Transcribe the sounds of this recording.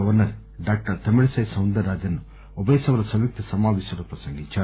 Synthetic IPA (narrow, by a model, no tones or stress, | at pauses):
ɐʋɐɾnɐɾ | ɖaːk̚ʈɐɾt̪ɐmiɭisɐjsɐwnd̪ɐɾaːd͡ʒɐnːu | ɔbɐjsɐʋɐɾɐsɐmjuk̚t̪ʰɐsɐmaːʋisɐɽɐpɾɐsɐŋɡit͡ʃaː